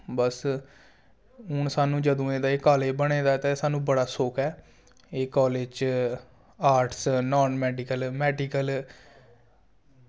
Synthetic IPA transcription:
bəs | ɦʊɳsaːnũːd͡ʒəd̪õːeːd̪aːeːkaːleːbəɽ̃eːd̪aːt̪ẽsaːnũːbəɽaːsoːkʰɛː | eːkɔːleːt͡ʃ | aːɾʈʰsnɔːnmɛːɖɪkəlmɛːɖɪːkəl

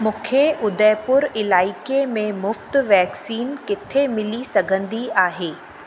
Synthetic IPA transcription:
mʊ̃kʰeʔʊd̪əjpʊɾɪlaːɪkemẽmʊft̪ʋɛːksiːnkɪt̪ʰemɪlisɐɡʱə̃nd̪iaːɦeː

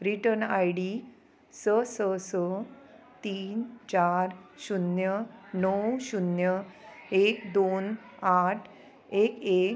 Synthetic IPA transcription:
ɾiʈənajɽi | səsəsə | t̪iːnt͡ɕaɾɕunjənəwɕunjəekd̪on | aʈʰ | eke

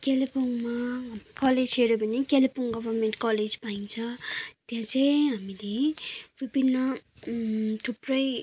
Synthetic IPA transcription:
kelepʰoŋmaɦamkʌled͡zɦeɾobʱʌnekelpʰoŋɡʌbʌrmeɳʈkʌled͡zpaĩnt͡sʰʌ̃t̪jãt͡sʰʌjɦamilebibinːʌ | ʈʰuprʌj

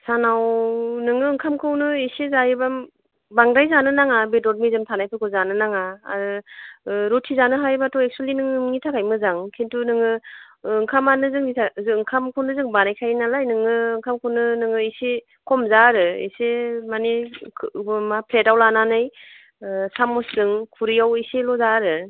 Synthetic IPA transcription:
sanawnɯŋɯːŋkʰamkʰɯwnɯesezajɯbam | baŋɾajzanɯnaŋabedɔɾ̚mizɯmtʰanajpʰɯkʰɯzanɯnaŋa | ɾotʰizanɯɦajbatʰɔek̚sualinɯŋɯnitʰakʰajmɯzaŋkʰentunɯŋɯː | ŋkʰamanɯzɯŋnitʰazɯŋkʰamkʰunɯzɯŋbanajkʰajnalajnɯŋɯːŋkʰamkʰunɯnɯŋɯise | kʰɔmzaɾɯḛsemane | bmapʰletawlananaj | samɔszɯŋkʰuɾijawiselɔzaɾɯ

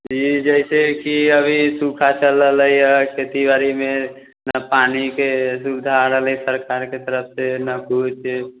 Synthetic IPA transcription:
d͡ʒid͡ʒəɪsekiəbʱisukʰat͡ʃələləjəket̪ibaɾime | napanikesud̪ʱaɾəɦlisəɾkaɾket̪əɾəpʰsenəkut͡ʃ

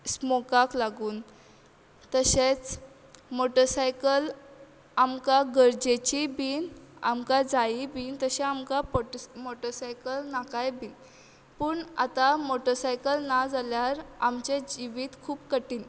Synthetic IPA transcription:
smokaklaɡuːn | t̪əɕet͡s | moʈəɾsajkəl | amkaɡəɾd͡ʑet͡ɕibiːna̰mkad͡zaibiːnt̪əɕɛ̃amkapmoʈəsajkəlnakajbiːn | pəːɳa̰t̪amoʈəsajkəlnad͡zaljaɾamt͡ɕẽd͡ʑiʋiːt̪kʰuːbkəʈiːn

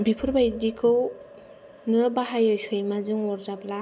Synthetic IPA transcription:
bipʰɯɾbajdikʰɯw | nɯbaɦajɯjsɯjmazɯŋɔɾzabla

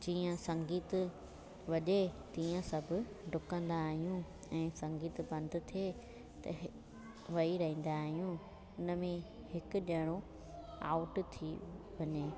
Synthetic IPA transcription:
d͡ʑiːə̃sɐ̃ŋɡiːt̪ | ʋɐʄet̪iːə̃sɐbʱʊ̆ | ɖʱʊkə̃nd̪aːɦijũ | ɛ̃ːsɐ̃ŋɡiːt̪bɐ̃nd̪ʱʊ̆t̪ʰieː | t̪ɐ̰ | ʋɐiɾɐɦĩːn̆d̪aːɦijũ | ʊnə̆mẽ | hɪkʊ̆ɗɐɪɽ̃o | a̰ːʊʈt̪ʰiʋɐɲeː

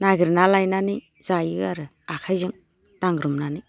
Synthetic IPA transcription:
naɡɯɾnalajnani | z̥ajɯaɾɯ | akʰajzɯŋ | d̥aŋɡɾɯmnanɯ

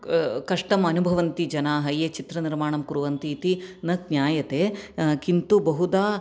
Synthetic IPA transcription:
kɐʂʈɐmɐnubʱɐʋɐnt̪id͡ʒɐnaːɦɐjeːt͡ʃit̪ɾɐniɾmaːɳɐmkuɾuʋɐnt̪iːt̪inɐk̚njaːjɐt̪eːkint̪ubɐɦud̪aː

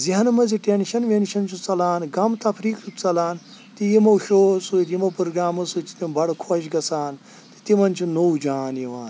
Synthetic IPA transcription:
ziɦɐnmɐziʈenʃɐnʋenʃɐnt͡ʃʰut͡sɐlaːnɡɐmt̪ɐpʰɾiːkɾut͡sɐlaːn | t̪ijimɐwʃoːsut̪jimɐpɾoɡɾaːmɐsut͡ʃʰi̥t̪imbɐɽkʰoʃ̬ɡɐsaːn | t̪i̥t̪imɐnt͡ʃʰunowd͡ʒaːnjiʋaːn

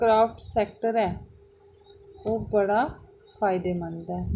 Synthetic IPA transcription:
kɾaːpʰʈsɛːkʈəɾɛː | oːbəɽaː | fʰaːɪd̪eːmənd̪ɛː

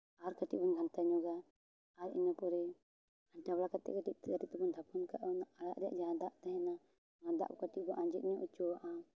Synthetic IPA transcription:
aɾkaʈḭʔ̚bɔnɡʱant̪aɲɔɡa | aɾḭɲɔpɔɾɛ | anʈablakat̪ɛ̰ʔkaʈiʔ̚t̪kaɾit̪ɛbɔnd̪ʱapʰɔnkaʔɔnaaɽaʔɾɛja̰ʔd͡ʒaɦãd̪aʔt̪ɛɦɛna | ãd̪a̰ʔbɔkaʈibɔʔãd͡ʒɛt̪̚iɲɔʔit͡ʃɔwaʔa

